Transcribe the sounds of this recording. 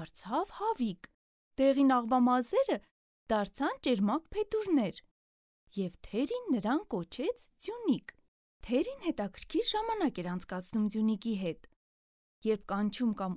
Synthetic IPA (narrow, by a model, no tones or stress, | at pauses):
ɾt͡sʰɑvhɑvik | d̪̥ɛʁinɑʁvɑmɑzɛɾə | d̪̥ɑɾt͡sʰɑnt͡ʃɛɾmɑkpʰɛt̪uɾnɛɾ | jɛvt̪ʰɛɾinːəɾɑnkɔt͡ʃʰɛt͡sʰd͡zjunik | t̪ʰɛɾinhɛt̪ɑkʰəɾkʰiɾʒɑmɑnɑkɛɾɑnt͡sʰkɑt͡sʰnumd͡zjunikiɦɛt̪ | jɛɾp̚ʰkɑnt͡ʃʰumkɑm